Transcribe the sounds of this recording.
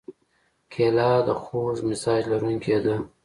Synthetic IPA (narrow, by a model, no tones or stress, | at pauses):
kʰelɑd̪əxozmɪsɑd͡ʒlaɾuŋkʰed̪ə